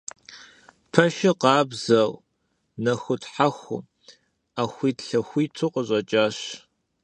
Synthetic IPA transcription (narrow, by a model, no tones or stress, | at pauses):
pʰɐʃɪqɑːbzɐw | nɐxʷʊtħaxʷʊ̰ | aːxʷiːtɬɐxʷiːtʰʊqʼəɕʼɐt͡ʃʼaːɕ